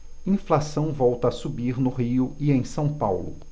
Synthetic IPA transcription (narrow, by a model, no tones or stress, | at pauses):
ĩflasɐ̃w̃vɔwt̪ɐasubiɾnʊɦiʊiẽj̃sɐ̃w̃pawlʊ̰